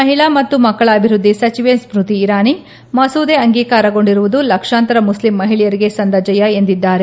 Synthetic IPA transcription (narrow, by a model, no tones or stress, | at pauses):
mɐɦiɭamɐt̪ːumɐkːɐɭɐːbʱiɾud̪ːisɐt͡ʃiʋesbɾut̪iːɾaːni | mɐsuːd̪eɐŋɡiːkaːɾɐɡo̞ɳɖiɾuʋud̪ulɐkʂaːnt̪ɐɾɐmuslimːɐɦiɭijɐɾiɡe̞sɐnd̪ɐd͡ʒɐjɐe̞nd̪id̪ːaːɾe̞